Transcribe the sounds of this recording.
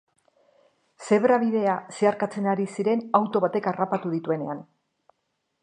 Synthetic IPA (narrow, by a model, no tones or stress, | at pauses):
se̞βɾaβ̞iðe̞aseaɾkat͡se̞naɾisiɾe̞nawt̪o̞β̞at̪e̞karapat̪uð̞it̪ue̞ne̞an